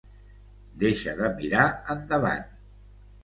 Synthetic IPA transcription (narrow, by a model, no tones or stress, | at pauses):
d̪eʃəðəmiɾaənd̪əβa̰n